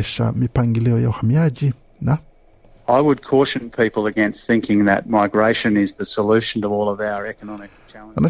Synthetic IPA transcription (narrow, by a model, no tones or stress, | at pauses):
ʃə̰mipʰãŋɡiliojawhamjad͡ʒi | na | aɪwəd̚kʰɔˑʃɨ̃npʰipl̩ˠɨɡɛ̃nst̪θɪ̃ŋkɪ̃ŋðɨ̰t̚maɪɡɹeɪʃɨ̃nɪzðɨsəlʉʃn̩tʌvɔlˠʌvaʊə˞ɛkənɑmɨkt͡ʃʰæ̃ənə